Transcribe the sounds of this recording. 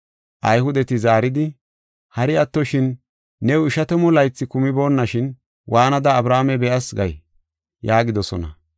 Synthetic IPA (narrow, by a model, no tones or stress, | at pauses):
ʔɐjhʊd̪ɛt̪ɪzaːɾɪd̪ɪ | hɐɾɪɐt̪ːɔʃɪnː | ɛwʊɪʃɐt̪ɛmɔlɐjt͡sːɪkʊmɪbo̞ːnːɐʃɪn | wʔaːnɐd̪ɐːbɾaːmɛbɛʔɐsɡɐj | jaːɡɪd̪ɔsɔ̰nɐ̰